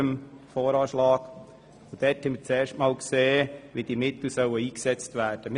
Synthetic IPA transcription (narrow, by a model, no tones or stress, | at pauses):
əmfɔːɾɑːʃlɑːɡ̥ | od̥ɛthɛmət͡sɛːɾʃtmɑːlkseːʋid̥imɪt̪l̩sœwəiːksɛt͡stvæːɾd̥əm